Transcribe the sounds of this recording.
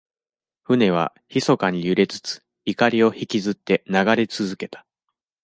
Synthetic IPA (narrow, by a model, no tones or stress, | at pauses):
ɸɯ̟ne̞β̞a̰ | çiso̞kaɲ̟ijɯ̟ɾe̞t͡sɨ̥t͡sɨ̥ | ikaɾʲio̞çikʲizɨt̪ːe̞naɡaɾe̞t͡sɨzɨke̞t̪ḁ